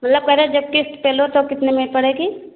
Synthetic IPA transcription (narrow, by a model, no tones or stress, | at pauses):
mɐt̪ləb̚kɐɾed͡ʒɐb̚kɪsʈ̪peːlot̪okɪt̪nemepɐɽeːɡiː